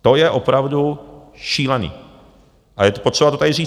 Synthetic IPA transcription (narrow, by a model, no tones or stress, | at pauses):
t̪o̞jɛʔopɾavdu | ʃiːlɛnḭː | ʔajɛt̪po̞t̪r̥ɛbat̪ot̪adɪriː